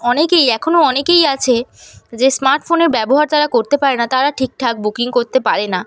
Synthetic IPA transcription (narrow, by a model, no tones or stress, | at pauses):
ɔnekejɛkʰonoɔnekejat͡ɕʰed͡ʑesmaɾʈfoneɾbɛboɦaɾt̪aɾakoɾt̪epaɾenat̪aɾaʈʰik̚ʈʰak̚bukiŋkoɾt̪epaɾena